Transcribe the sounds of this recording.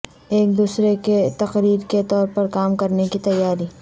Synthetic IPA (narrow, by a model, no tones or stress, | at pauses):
eːk̚d̪uːsɾeket̪ɐqɾiːɾket̪ɔːɾpɐɾkaːmkɐɾnekit̪ɐjːaːɾiː